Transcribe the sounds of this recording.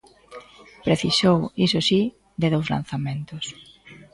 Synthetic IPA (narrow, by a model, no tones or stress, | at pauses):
pɾeθisowisosi | d̪eðowzla̰n̟θamẽnt̪os